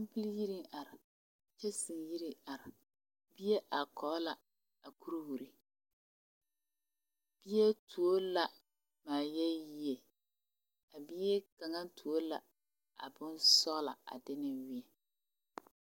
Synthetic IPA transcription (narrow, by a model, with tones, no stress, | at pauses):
m˦pɪ˦lji˦ɾi˦ŋa˨ɾɪ˨ | t͡ʃɛ˦sɨ˨ŋ˨ji˦ɾi˦a˨ɾɪ˨ | bi˦je˦ʔa˨kʰɔ˨˦la˨ | a˨ku˦ɾu˦hu˨ɾi˦ | b̥i˦je˦tu˨o˦la˨ | maː˨jɛ˦ji˦je˨ | a˨bi˦e˦ka˨ŋa˦n˦tu˨o˦la˨ | a̰˨bʊ˦nsɔ˦ɣla̰˨a̰˨dɪ˦nɪ˦wi˦ɛ˨